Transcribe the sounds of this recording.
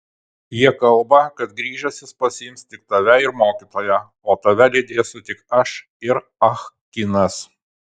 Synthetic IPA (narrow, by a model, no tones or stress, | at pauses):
jiɛkɐlˠbɐkɐt̪ɡɾʲiːʒɛsʲɪspɐsʲɪjɪmst̪ʲɪk̚t̪ɐʋʲɛɪɾmoːkʲiːt̪oːjɛ | oːt̪ɐʋʲɛlʲɛɪd̪ʲeːsʊt̪ʲɪkɐʃ | ɪɾ | ɐxkʲɪnɐs